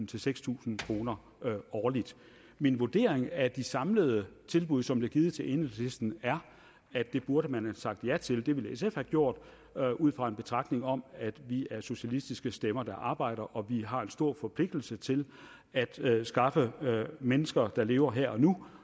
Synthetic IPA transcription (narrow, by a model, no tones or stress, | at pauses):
n̩t͡sʰe̝lseɡ̥st͡sʰṵːsn̩kʰʁo̝ːnɐ | ɒːlid̥ | minʋuɐd̥e̝̰ːɐ̰e̝ŋæd̥isɑ̈mləð̞̩ˠət͡sʰe̝lb̥uðˠsɒ̽mb̥leɐɡ̥iːð̩ˠt͡sʰe̝lʔe̝nesd̥n̩æɐ | æ̥d̥e̝b̥uɐɾəmænhæsɑ̈ɡ̥̚d̥jæt͡sʰe̝ld̥e̝ʋe̝lesefhæɡ̥jo̝ɐ̰d̥ | ʔuð̰ˠfʁɑ̈e̝nb̥e̝t͡sʰʁɑ̈ɡ̥ne̝ŋɒ̽mæd̥ʋiæɐso̝ɕælisd̥isɡ̥əsd̥emɐd̥ɑ̈ʔɑ̈ːb̥ɑ̈ɪ̰ɾ̥ɐʔɒ̽ʋiɦɑ̈e̝nsd̥o̝ɐ̰fɒ̽pʰle̝ɡ̥̚d̥l̩sət͡sʰe̝l | æd̥sɡ̥ɑ̈fəmenəsɡ̥ɐd̥ɑ̈le̝ːʊɐɦeɐ̰ɒ̽nu